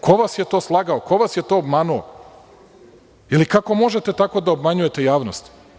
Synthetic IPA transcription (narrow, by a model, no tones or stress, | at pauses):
kʰo̞ʋasje̞t̪o̞ːslˠaɡaoko̞ʋasje̞t̪o̞ːobmanuo̰ | jelikako̞mo̞ʒet̪e̞t̪ako̞d̪aobmaɲuje̞t̪e̞jaːʋnost̪